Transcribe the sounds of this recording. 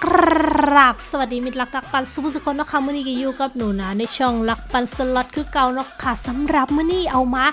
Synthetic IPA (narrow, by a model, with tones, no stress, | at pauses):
k | aː˧˩k̚swa˨˩diː˨˧mi˧t̪̚la˧˥k̚la˧˥k̚pa˧nsu˧˦˥su˧kʰːo˧nːɔ˧˥kʰːa˧˩mɯː˧˥˨niː˧˥˩kiː˧juː˧˩ka˧˩p̚nuː˨˩˦naː˨˦na˧˩jt͡ɕʰu˧˩˨ŋla˧˥k̚pa˧nsa˧lɔ˧˥t̪̚kʰɯː˧˦ka˧wnɔ˧˥˩kʰːaː˧˩sa˨˦mɾa˨˧˩p̚maː˧˥˨niː˧˥˩ʔa˧wmaː˧˥